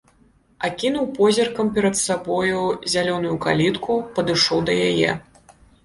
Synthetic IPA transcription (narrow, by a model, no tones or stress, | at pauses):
akʲinuwpɔzʲɐrkɐmpʲɛɾɐt̪sabɔjuzʲalʲɔnujukalʲit̪kʰupɐd̪ɨʂɔwd̪ɐjajɛ̰